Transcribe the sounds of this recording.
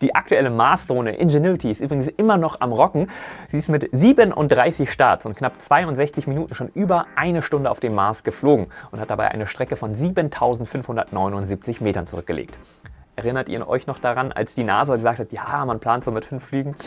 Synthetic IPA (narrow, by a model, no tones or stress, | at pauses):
d̥iːʔak̚tʰuɛləmaɐsd̥ʁoːnəʔɪ̰nʒenuɪtʰiɪstʔyːbʁɪɡŋ̩sʔɪmɐnɔχa̰mʁɔkŋ̩z̥iːɪstmɪtziːbənʔʊ̰ntd̥ʁaɪsɪçʃtaɐsʊntknapt͡sv̥aɪʊntz̥ɛçt͡sɪçminuːtn̩ʃoːnʔyːbɐʔaɪnəʃtʊndəa̰ʊfd̥eːmːaɐsɡ̥əfloːɡŋ̩ʔʊnthat̚d̥abaɪʔa̰ɪnəʃtʁ̥ɛkəfɔnziːbəntʰaʊzn̩tfʏnfhʊndɐtnɔʏnʊntz̥iːp̚t͡sɪçmeːtɐnt͡suʊʁʏk̚ɡ̥əlʔḛːkt | ʔɛɐʁɪnɐtʔḭːɐənʔɔ̰ʏçnɔχd̥aʁanʔa̰lsd̥iːna̰ːzaɡəzaːk̚thatjaːmanpʰl̥aːntz̥oːmɪtfʏnflyːɡŋ̩